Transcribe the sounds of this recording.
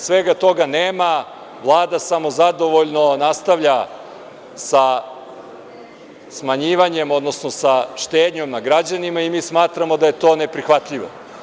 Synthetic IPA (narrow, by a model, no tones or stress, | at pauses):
sʋeɡat̪o̞ɡaneːma | ʋlˠaːd̪asamo̞zad̪o̞ʋoʎnonast̪aʋʎa | sa | smaɲiːʋaɲemo̞d̪no̞sno̞saʃt̪eːd̪ɲo̞mnaɡɾad͡ʑanimaimiːsmaːt̪ɾamod̪aje̞t̪o̞ːne̞pɾixʋat̪ʎiʋo̰